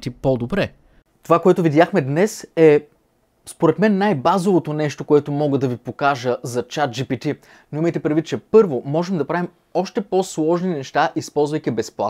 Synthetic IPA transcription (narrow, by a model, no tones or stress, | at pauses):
t̪ipod̪obɾɛ | t̪ovakoɛt̪ʊvid̪jaxmɛd̪nɛsɛ | spoɾɛt̪mɛnːajbazovot̪onɛʃt̪okoɛt̪omɔɡəd̪ɐvipokaʒəzɐt͡ʃat̪̚d͡ʒipit̪i | noiməjt̪ɛpɾɛd̪vit̪̚t͡ʃɛpɤɾvomɔʒɛmd̪ɐpɾavim | ɔʃt̪ɛpɔslˠɔʒninɛʃt̪aʔispɔlˠzvɐjkʲibɛsplˠa̰t̪